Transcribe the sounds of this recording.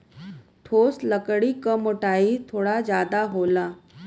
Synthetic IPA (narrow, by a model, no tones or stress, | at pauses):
t̪ʰosləkɽiːkəmoʈait̪ʰoɽad͡ʑjad̪aɦola